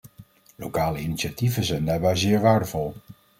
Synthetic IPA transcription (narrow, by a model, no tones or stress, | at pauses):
lo̰wkaːləiniʃativənzɛjndaːɹbɛjzɪːɹʋaːɹdəvɔlˠ